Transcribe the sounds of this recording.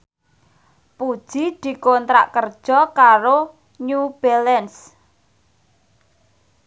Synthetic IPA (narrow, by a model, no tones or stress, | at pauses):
pud̥ʒ̥i̤d̪̥i̤kont̪ɾa̰ʔkərd̥ʒ̥ɔ̤kaɾo | ɲub̥ɛlɛns